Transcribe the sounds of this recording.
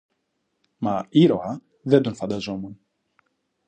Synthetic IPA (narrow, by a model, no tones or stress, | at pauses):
maiɾohɐ | ðɛd̪unfɐnd̪azomun